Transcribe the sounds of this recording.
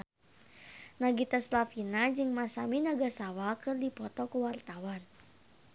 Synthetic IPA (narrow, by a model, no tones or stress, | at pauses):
naɡit̪aslafinad͡ʒɨŋmasaminaɡasawakɨrdipɔt̪ɔkəwart̪awan